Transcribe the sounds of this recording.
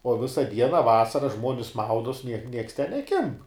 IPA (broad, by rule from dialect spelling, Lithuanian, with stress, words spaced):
oː ˈʋʲɪsɐ ˈdʲiɛnɐ ˈʋɑːsɐrɐ ˈʒmuɔnʲɪs ˈmɐʊdoːs nʲiɛk nʲiɛks tʲɛn nʲɛˈkʲɪmp